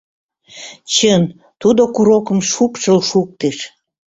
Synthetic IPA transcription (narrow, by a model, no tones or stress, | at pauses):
t͡ɕən | t̪ud̪okuɾokəmʃupʃəlʃuk̚t̪eʃ